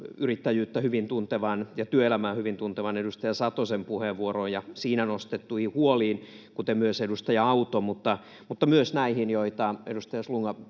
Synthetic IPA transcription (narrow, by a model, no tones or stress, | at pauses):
yrit̪ːæjyːt̪ːæhyʋint̪unt̪eʋɑnjɑt̪yøelæmæːhyʋint̪unt̪eʋɑnedust̪ɑjɑsɑt̪osempuheʋʋuorojjɑsiːnænost̪et̪ːuihihuoliːn | kut̪emyøsedust̪ɑjɑɑut̪omut̪ːɑ | mut̪ːɑmyøsnæihinjoit̪ɑedust̪ɑjɑsluŋːɑ